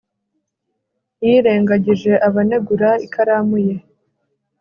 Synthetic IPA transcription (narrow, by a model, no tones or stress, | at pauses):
jiːɾe̞ːŋɡaɟiʒe̞ʔaβane̞ɡuɾaikʰaɾaːmuje̞